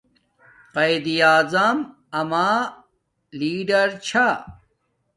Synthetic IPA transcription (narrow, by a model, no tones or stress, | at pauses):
qɐjd̪ijaːzɐm | ɐmaː | liːɖɐɾt͡ɕʰa